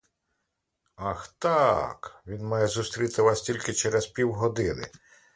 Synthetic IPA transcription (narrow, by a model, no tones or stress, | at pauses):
ɑxt̪ɑkʋʲinmɑjɛzust̪ɾʲit̪ɪʋɑsʲtʲilʲkɪt͡ʃɛɾɛzpʲiwɦɔd̪ɪnɪ̰